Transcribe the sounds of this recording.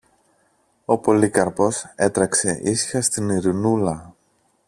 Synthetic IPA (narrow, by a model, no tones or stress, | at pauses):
o̞po̞likɐɾpo̞se̞t̪ɾɐkse̞ʔisi̥xɐst̪iniɾinulɐ